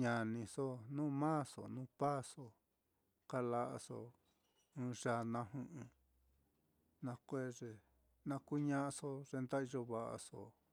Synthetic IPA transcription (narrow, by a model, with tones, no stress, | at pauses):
ɲã˨nĩ˧so˦nũː˦˧mã˦so̰˨nũː˦pa˦so˧ | ka˧la˧ʔa˧so̰˧ | ɨ̃ː˧ʐa˧nã˧hũ˧ʔɨ̃˧ | nã˧kʷe˦ʐe˧ | nã˧ku˦ɲã˦ʔa˧so˧ʐe˧nd̪a˦i˧ʒo˧βa˨ʔa̰˧so˧˨